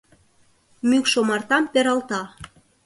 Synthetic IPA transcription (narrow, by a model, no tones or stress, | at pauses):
mykʃomɑrt̪ɑmpeɾɑlt̪ɑ